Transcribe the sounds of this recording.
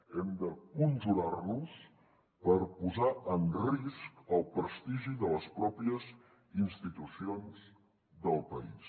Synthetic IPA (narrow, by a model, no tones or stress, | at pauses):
ɛmd̪əkunʒuɾarnus | pəɾpuzaənriskəlˠpɾəst̪iʒiðələspɾɔpiəz | inst̪it̪usionz | d̪əlˠpəḭs